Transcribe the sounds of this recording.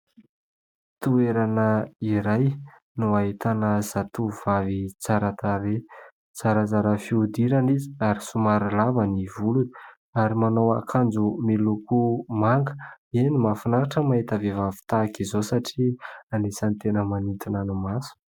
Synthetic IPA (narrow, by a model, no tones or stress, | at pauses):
t̪ueɾanəiɾaj | nuaɦit̪anəz̥at̪uv̥avit͡saɾat̪aɾe | t͡saɾazaɾəfiud̪iɾanizi̥aɾisumaɾilavənivuluni̥ | aɾimanowakʰand͡zumilukumaŋɡə̥enimafinaɾaʈ͡ʂəmaɦit̪avevavi̥t̪akizosaʈ͡ʂianesant̪enəmanit̪inanumasu̥